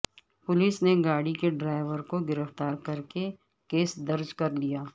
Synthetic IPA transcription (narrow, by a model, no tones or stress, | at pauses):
pʊlisneɡaːɽikeɖɾaːɪʋəɾkoɡɪɾəft̪aːɾkɐɾke | keːsd̪ɐɾd͡ʒkɐɾlijaː